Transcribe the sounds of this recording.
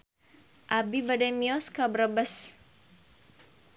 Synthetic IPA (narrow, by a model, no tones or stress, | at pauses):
ʔabibadamiɔskabɾabəs